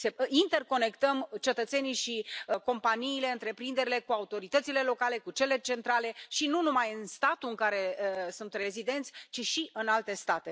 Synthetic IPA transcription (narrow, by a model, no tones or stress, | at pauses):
seint̪e̞rko̞ne̞kt̪əmt͡ʃe̞t̪ət̪senijʃiəko̞mpaniːle̞ɨnt̪ɾe̞pɾind̪e̞ɾile̞kuaut̪o̞ɾit̪ət̪sile̞lo̞kale̞kut͡ʃe̞le̞t͡ʃe̞nt̪ɾale̞ʃinunumajɨnnst̪at̪uɨŋkaɾe̞sunt̪rezid̪e̞nt̪sʲt͡ʃiʃiʔɨnalt̪e̞st̪at̪e̞